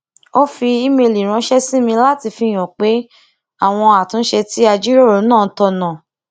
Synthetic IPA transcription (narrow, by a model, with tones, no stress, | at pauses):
o˦fi˧i˦me˧li˨ɾ̃ã˨˦ʃɛ˦si˦mĩ˧la˦ti˧fi˧j̃ɔ̃˨k͡pe˨˦ | a˦˨w̃ɔ̃˧a˨tũ˨˦ʃɛ˧ti˦a˧d͡ʒi˦ɾo˦˨ɾo˨˦nãː˦˨˦tɔ˧nã˨